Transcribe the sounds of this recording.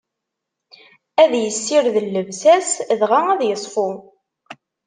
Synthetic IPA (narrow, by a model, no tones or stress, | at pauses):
æðjəsːɪɾðəlːəvsæsðʁaæðjəsˤfʊ